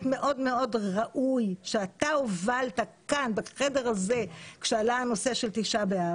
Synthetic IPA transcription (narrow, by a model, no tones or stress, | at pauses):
tme̞ʔo̞dme̞o̞dʁaʔujʃeataovaltakanbaχede̞ʁaze̞kʃealaano̞se̞ʃeltiʃabea